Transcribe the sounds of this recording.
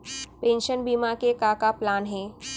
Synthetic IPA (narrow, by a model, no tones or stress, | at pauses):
pẽːnʃənbiːmakekaːkaplaːnɦɛ̃ː